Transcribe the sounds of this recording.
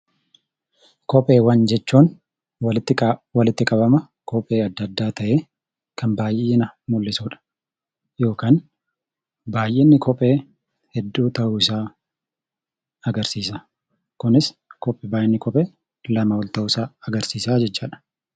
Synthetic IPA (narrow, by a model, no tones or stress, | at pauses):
kɔpʼe̞ːwɐnd͡ʒɛt͡ʃːuːn | wt̪ːwɐlɪt̪ːɪkʼɐbɐmɐ | kɔpʼːe̞ːɐd̪ːɐd̪ːaːt̪ɐʔeː | kɐnbaːjʔeːnɐmʊlːɪsuːᶑɐ̥ | jo̞ːkaːn | baːjʔɛnːɪkʰɔpʼe̞ː | hɛd̪ːuːt̪ɐʔuːɪsaː | ɐɡɐɾsiːsaː | kʊnɪskɔpʼːɛbaːʔɛnːɪkɔpʼeː | lɐmɐwɔlt̪ɐʔʊsaːɐɡɐɾsiːsaːd͡ʒɛt͡ʃːaːᶑɐ̥